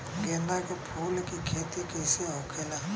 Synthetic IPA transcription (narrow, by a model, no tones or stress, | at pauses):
kɛnakepʰulkikʰet̪ikesiɦokʰɛla